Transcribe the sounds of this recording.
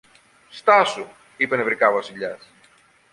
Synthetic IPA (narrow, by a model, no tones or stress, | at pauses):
st̪ɐsu | ipe̞nevɾikɐvɐsiʎɐs